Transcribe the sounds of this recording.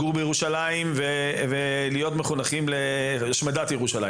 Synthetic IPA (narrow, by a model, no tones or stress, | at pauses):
uʁbejeuʃalaimve | ve | lijo̞t̪meχunaχimle | aʃmad̪at̪jeʁuʃala̰